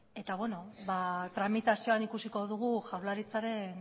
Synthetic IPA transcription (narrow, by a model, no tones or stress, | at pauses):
e̞t̪aβwe̞no̞βat̪ɾamit̪asio̞anikusiko̞ð̞uɣ̞uʝawɾlaɾit͡saɾe̞n